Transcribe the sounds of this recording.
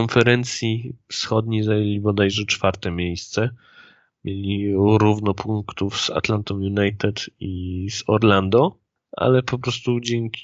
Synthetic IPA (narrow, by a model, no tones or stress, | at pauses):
ɔnfɛɾɛnt̪sʲjifsxɔd̪ɲejzajelʲibɔd̪ajʐɛt͡ʂfaɾt̪ɛmʲejst̪sɛ | mʲjʔelʲiɾuvnɔpʰuŋkt̪ufz̥a̰t̪lant̪ɔ̃w̃junajt̪ɛt̪izɔɾland̪ɔ | a̰lɛpɔpɾɔst̪ud͡ʑɛŋkʲi